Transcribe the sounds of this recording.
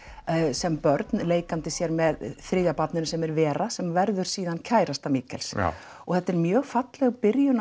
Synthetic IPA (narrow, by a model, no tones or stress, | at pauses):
sɛmpœɾt̪nleːjkant̪ɪsjɛɾmɛðθɾɪːðjapat̪nʏnsɛmɛɾvɛːɾasɛmvɛɾðʏɾ̥siːðancʰaːjɾast̪amiːkɛls | ɔɣθɛht̪ːɛɾmjœːɣfat̪lɛɣpɪɾjʏn